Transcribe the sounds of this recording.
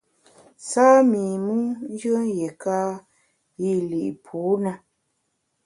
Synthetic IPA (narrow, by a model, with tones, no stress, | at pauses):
saː˦miː˨mu˦n˦d͡ʒɨ˦jɛ˨kaː˦ | ji˦˨li˨ʔpʰuː˨˦na˧